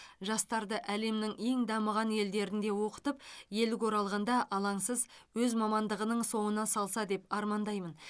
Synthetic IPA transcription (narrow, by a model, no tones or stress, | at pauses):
ʒɑst̪ɑɾd̪əʔæle̞mnɪŋe̞ŋd̪ɑməʁɑne̞ld̪e̞ɾɪnd̪e̞wo̞qə̥t̪əpje̞lɪko̞ɾɑlˠʁɑnd̪ɑʔɑlˠɑɴsəzwɵzmɑmɑnd̪əʁənəɴso̞ɴənɑsɑlˠsɑd̪e̞pɑɾmɑnd̪ɑjmən